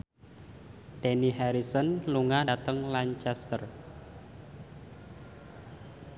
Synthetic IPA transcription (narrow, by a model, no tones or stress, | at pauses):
t̪eniɦɛɾisɔnluŋadat̪əŋlaɲt͡ʃɛst̪ər